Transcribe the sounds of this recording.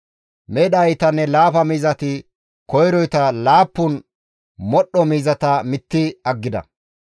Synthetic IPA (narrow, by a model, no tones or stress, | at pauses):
mɛɗɐjt̪ɐnːɛlaːfɐmiːzɐt̪ɪ | kɔjɾɔjt̪ɐlaːpːʊn | mɔɗɔmiːzɐt̪ɐmɪt̪ːɪɐɡːɪd̪ɐ̰